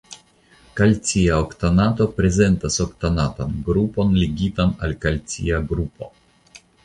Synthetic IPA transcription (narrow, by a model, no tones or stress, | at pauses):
kalt͡sʲiaokt̪anat̪o̞pɾe̞ze̞nt̪asokt̪anat̪anɡɾupo̞nleɡʲit̪analkalt͡sḭaɡɾupo̞̰